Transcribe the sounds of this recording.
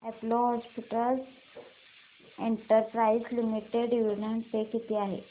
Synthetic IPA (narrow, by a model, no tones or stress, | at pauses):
ɛplɔɦɔspiʈəls | eɳʈəɾpɾaislimiʈeɖjuɾɳəɳʈpekit̪iːaɦḛ